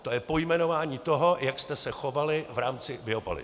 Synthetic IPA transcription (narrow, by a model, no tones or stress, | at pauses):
t̪o̞jɛpo̞jmɛno̞vaːɲiːt̪o̞ɦo̞jakst̪ɛsɛxo̞valɪvɾaːmt͡sɪbɪo̞po̰lɪ̰